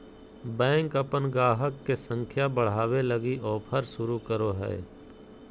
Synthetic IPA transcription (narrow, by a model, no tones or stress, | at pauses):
bɛ̃ːŋkəpənɡaːɦəkːesə̃ŋkʰjabəɽ̤aːwelɐɡiʔɔːpʰəɾsʊɾukəɾoɦɛ̰ː